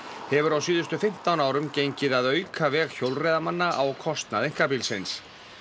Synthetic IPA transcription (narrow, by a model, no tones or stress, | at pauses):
hɛvʏɾawsiːðʏst̪ʏfɪm̥t̪awnaːwɾʏmcejɲcɪðaðœːɥkʰavɛːɣçowlrɛjðamanːaʔawkʰɔst̪naðejŋ̥kapilsɪns